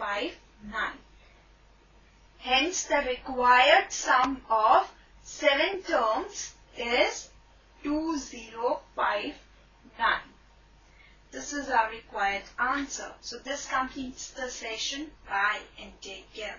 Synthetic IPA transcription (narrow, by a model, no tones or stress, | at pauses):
faɪʋ | nãɪ̃n | hɛ̃nsd̪əɾɪkwaɪəɾɖsʌ̃mɔʋ | sɛʋə̃nʈəːmz̥ | ɪz | ʈuːziːɾoːfaɪʋ | nãɪ̃n | d̪̥ɪsɪzaɾɪkwaɪəɖãːnsə̰ɾsoːd̪ɪskʌ̃mpniːʈsd̪əsɛʃə̃nbaɪɛ̃ɳʈeːkːɛ